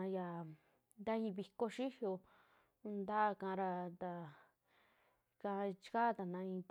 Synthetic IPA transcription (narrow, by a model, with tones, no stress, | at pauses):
a˧ja˨ | nd̪a˦ĩ˧βi˧ko˧ʃi˦hjo˧ | nd̪a˦˧kã˧ɾa˧d̪a˧ | kã˧t͡ʃi̥˧ka˦t̪a˨nã˧ĩ˧t̪